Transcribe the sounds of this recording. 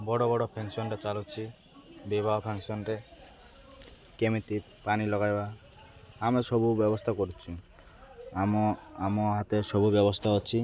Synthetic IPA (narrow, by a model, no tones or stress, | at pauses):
bɔɽɔbɔɽɔpʰeŋsɔnɾet͡ʃalut͡ʃʰi | bibʱaɦpʰeŋsɔnɾe | kemit̪i | panilɔɡajba | amesɔbʱubjɔbɔst̪ʰakɔɾut͡ʃʰu | amamɔɦat̪esɔbʱubjɔbɔst̪ʰaɔt͡ʃʰi